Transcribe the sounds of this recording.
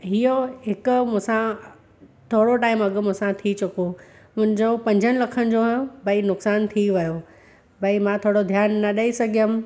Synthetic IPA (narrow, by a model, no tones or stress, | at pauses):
ɦioɦɪkʊ̆mʊ̃ɦsã | t̪ʰoːɽoʈaːɪmɐɠmʊ̃ɦsãt̪ʰit͡ɕʰʊko | mʊ̃ɦɪ̃ɲd͡ʑopɐ̃ɲd͡ʑʱənɪ̆lɐkʰənɪ̆d͡ʑoːɦobɐinʊksaːnt̪ʰiʋɐjo | bɐimãt̪ʰoːɽod̪ʱjaːnːɐɗɐisɐɡʱijəm